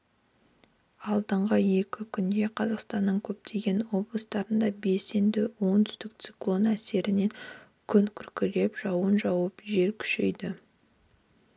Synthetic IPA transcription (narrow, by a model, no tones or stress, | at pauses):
ɑlˠd̪əɴʁəje̞kʲɪkʲʰʏnd̪e̞qʰɑzɑqst̪ɑnːəɴkʲʰɵp̚t̪ʰe̞ɡʲe̞nwo̞blˠəst̪ɑɾənd̪ɑbe̞se̞nd̪ɪwo̞nt̪ʰʏ̥st̪ɪk̚t̪siklˠo̞næse̞ɾɪneŋ | kʲʰʏŋkʲʰʏɾkʲɪle̞pʒ̥ɑwənʒɑwəpʒe̞ɾkʲʰʏ̥ʃe̞jd̪ɪ